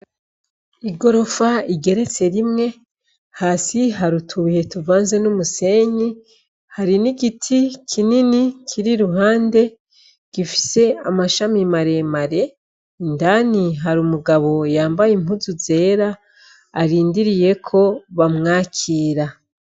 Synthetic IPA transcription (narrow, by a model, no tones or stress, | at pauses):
iɡo̞ɾo̞faiɡe̞ɾe̞t͡se̞ɾimŋe̞ | haːsiɦaɾutʰuβihe̞tuvaːnze̞numuse̞ɲi | haɾiniɡitʰikʰininikʰiɾiɾuɦaːnde̞ | ɡ̥ifi̥se̞amaʃamimaɾe̞maɾe̞ | indaniɦaɾumuɡaβo̞jaːmbajemuzuze̞ːɾaː | ɾiːndiɾije̞kʰo̞βamŋaːkʰiːɾa